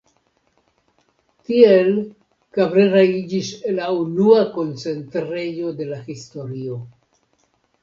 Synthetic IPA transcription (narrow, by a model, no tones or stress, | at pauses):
tiel | kabɾeɾaid͡ʒiselaunuako̞nt͡se̞ntɾe̞jo̞de̞lahisto̞ɾio̞